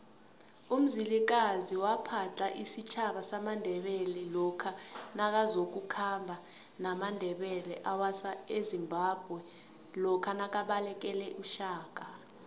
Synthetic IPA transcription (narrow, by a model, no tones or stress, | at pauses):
um̩zilik̬aziwapʰat͡ɬʼaʔisit͡ʃʰaɓasamandʱɛɓɛlɛlɔkʰanak̬azok̬ukʰambʱa | namandʱɛɓɛlɛʔawasaezimbʱab̥ʱwɛ | lɔkʰanak̬aɓalɛk̬ʼɛlɛʔuʃaːk̬ʼa